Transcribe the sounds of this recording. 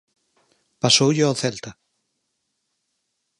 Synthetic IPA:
pasoːwjʏawθɛlt̪a

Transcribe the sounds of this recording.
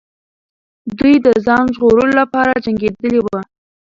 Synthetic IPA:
d̪ujd̪əzɑnʒɣoɾəlolapɑɾad͡ʒaŋɡed̪əlewa

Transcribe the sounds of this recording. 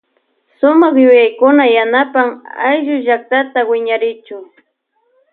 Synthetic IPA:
sʊmɑχjʊjajkʊnajanapamajʒʊʒak̚t̪at̪awɪɲaɾɪt͡ʃʊŋ

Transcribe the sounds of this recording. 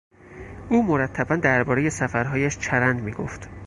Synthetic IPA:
ʔuːmoɾæt̪ʰːæbænd̪æɾbɒːɾe̞je̞sæfæɾɦɒːjæʃt͡ʃʰæɾænd̪miːɡo̰ft̪

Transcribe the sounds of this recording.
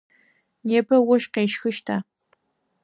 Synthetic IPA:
neːpʰɐwʊʃqeːʃxɨʃtʰaː

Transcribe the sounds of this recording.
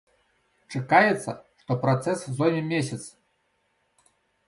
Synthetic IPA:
t͡ʂɨkajɛt̪sːɐ̰ʂt̪ɔpɾat̪sɛszɔjmʲɛmʲesʲɐt̪s

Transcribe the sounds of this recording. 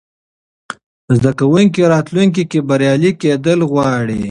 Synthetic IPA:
zd̪akawuŋkiɾɑt̪luŋk̬ikebaɾjɑliked̪əlɣwɑɽi

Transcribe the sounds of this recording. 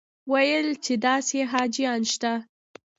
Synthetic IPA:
wajəlt͡ʃed̪ɑseɦɑd͡ʒijɑnʃt̪a

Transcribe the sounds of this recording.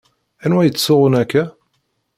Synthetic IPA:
ænwæjət͡sːsʊʁənækːæ

